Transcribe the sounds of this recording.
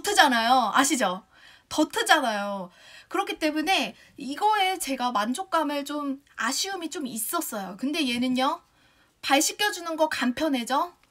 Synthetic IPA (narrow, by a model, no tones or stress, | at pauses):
ʌtʰɯd͡ʑanajoa̰ɕʰid͡ʑo | tʌtʰɯd͡ʑanajo | kɯɾʌkʰit͈e̞mune̞ | iɡʌe̞t͡ɕe̞ɡamand͡ʑok̚k͈amɯɭt͡ɕomaɕʰiɯmit͡ɕomis͈ʌs͈ʌjokɯnde̞je̞nɯɲʌ | paɭɕ͈ʰik͈ʰjʌd͡ʑunɯnɡʌkampʰjʌnɦe̞d͡ʑo